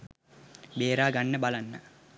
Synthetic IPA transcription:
beːɾaːɡanːəbalanːə

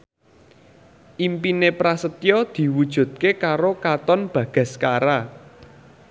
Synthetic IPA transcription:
ʔimpinepɾasət̪jɔd̪̥i̤wud̥ʒ̥ṳd̪̚kekaɾokat̪ɔnb̥ä̤ɡ̥a̤skaɾa

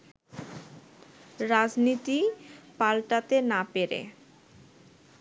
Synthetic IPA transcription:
ɾad͡ʑnit̪ipalʈat̪enapeɾḛ

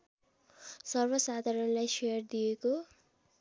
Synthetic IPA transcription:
sʌrbʌsad̪ʱaɾʌnlajʃejʌrd̪ijeko

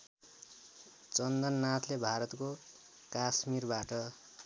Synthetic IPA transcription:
t͡sʌnd̪ʌnːat̪ʰlebʱaɾʌt̪ko | kasmirbaʈʌ

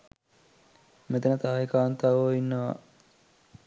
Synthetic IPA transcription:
met̪ənət̪aːekaːnt̪aʋoinːəʋa̰

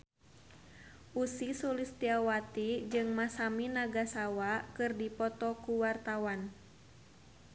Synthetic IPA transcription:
ʔusisulist̪iawat̪id͡ʒɨŋmasaminaɡasawakɨrdipɔt̪ɔkuwart̪awan

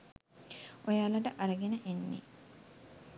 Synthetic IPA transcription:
ojaːlɐʈəʔɐɾɐɡenəʔenːḛ

